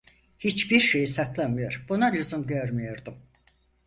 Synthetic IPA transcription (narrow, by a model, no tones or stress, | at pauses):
hit͡ʃbiɾʃe̞jisat̪ʰlˠanmɯjaɾ̥bunaʎuzumd̪æɾmijaɾd̪ɯm